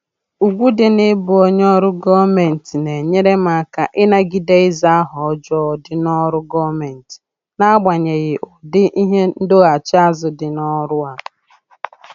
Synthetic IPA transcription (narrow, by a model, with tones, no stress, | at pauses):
u˨ɡʷu˦dɪ˨nɪ˦bʊ˨o˦ɲ˦ɔ˦ɾʊ˦ɡɔ˦me˨n̩˨ti˨ne˨ɲe˦ɾe˦ma˨˦ka˨ʔɪ˦na˦ɡi˦de˦ɪ˦za˦a˦ɦɔ˨ɔ˦d͡ʒɔ˦˨dɪ˦nɔ˦ɾʊ˦ɡɔ˦me˨n̩˨ti̥˨ | na˦ɡ͡ba˨ɲe˨ɣɪ˨ʔɔ˨dɪ˦ʔi˦ɦe˦n̩˦do˦a˨t͡ʃɪ˦a˦zʊ˨dɪ˨nɔ˦ɾʊ˦a˨